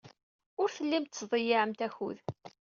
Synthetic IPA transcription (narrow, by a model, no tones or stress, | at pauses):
ʊɾθəlːimt̪ːsðˤəjiʕəmt̪æçṵð